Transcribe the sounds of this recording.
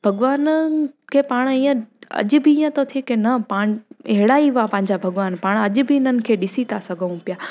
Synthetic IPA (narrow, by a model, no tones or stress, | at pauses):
bʱɐɠʋaːnəkʰeːpaːɽ̃iːə̃ɐ̰ʄʊbʱɪiːjə̃t̪ot̪ʰikenɐpaːɽ̃ɐɦɪɽaːiʋapɐ̃ɦɪ̃ɲd͡ʑabʱɐɠʋaːnpaːɽ̃ɐʄʊ̆bʱɪɪnənɪ̆kʰeːɗɪsit̪ʰasɐɡʱəʋũpjaː